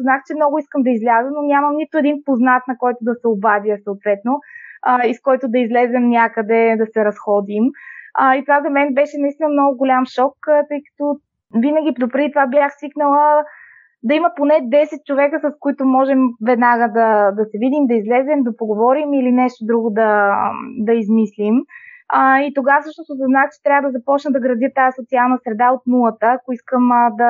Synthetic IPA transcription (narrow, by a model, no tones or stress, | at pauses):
znaxt͡ʃɛmnɔɡʊiskəmd̪ɐizlʲazənonʲamɐmnit̪ʊɛd̪inpoznat̪nɐkɔjt̪ʊd̪ɐsɛobavjəsɐot̪vɛt̪noəiskɔjt̪ʊd̪ɐizlɛzɛmnʲakəd̪ɛd̪ɐsɛɾɐsxɔd̪iməit̪ovazɐmɛnbɛʃɛnɐist̪inəmnɔɡʊɡʊlʲamʃɔkːt̪ɤjkɐ̥t̪ɔ | vinəɡʲipd̪opɾɛit̪ovabjaxsviknəlˠə | d̪ɐimɐponɛd̪ɛsɛt̪̚t͡ʃovɛkəsɐskoit̪ʊmɔʒɛmvɛd̪naɡəd̪ɐd̪ɐsɛvid̪imd̪ɐizlɛzɛmd̪ɐpoɡovɔɾimilinɛʃt̪od̪ɾuɡʊd̪ɐ | d̪ɐizmislim | it̪oɡafsɤʃnosʊsɐznat͡ʃɛ̥t̪ɾʲavəd̪ɐzɐpɔt͡ʃnəd̪ɐɡɾɐd̪ət̪aɛsot̪sialˠnəsɾɛd̪aot̪nulˠət̪əːkoiskəmd̪ɐ